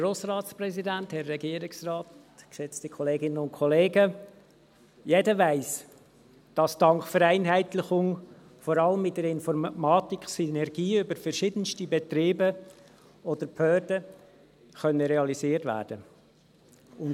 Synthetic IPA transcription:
ɡoːsrɑːtspɾɛsidænthɛrːɛɡiːəɾɪksrɑːt | kʃɛt͡stikʰɔleːɡɪnənʊnkʰɔleːɡə | jedəʋæɪs | d̥ɑsd̥ɑŋkfəɾæɪnɦæɪtlɪχʊŋ | fɔɾɑləmɪt̚dɛɾɪnfɔɾmmɑːtiksinɛɾɡiːʏbəɾfɛɾʃiːdənstibɛt̪ɾiːbə | ɔd̥əɾpʰœːɾdə | χœnːəɾeɑlisiːəɾtvæ̰ːɾd̥ə | ʊn

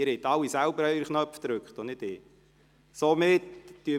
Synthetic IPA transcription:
ɪɾet̪ːɑlːisælbəɾœyɾχnœpfd̪ɾʉkχt̪ɔnɪtɪ | somɪtːyə

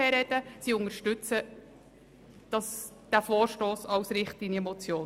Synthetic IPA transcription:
ɛɾɛd̥əsiʊnəɾʃtʉt͡sə | d̥ɑs | d̥æfoːɾʃtoːsɑwsɾɪχtɪiɛmot͡sjoːn

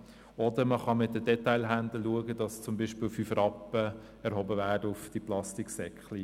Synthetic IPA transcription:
ɔd̪əɾməχɑmɪt̚dədɛtaɪlɦændəluəɡədɑst͡sʊmbiːʃpɪːlfyfrɑpːə | ɛɾɦɔbəvæːdəʊfd̥iplɑstiksɛkχli

